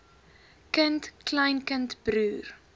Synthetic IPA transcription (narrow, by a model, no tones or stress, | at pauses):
kəntkləjnkəntb̥ɾyːr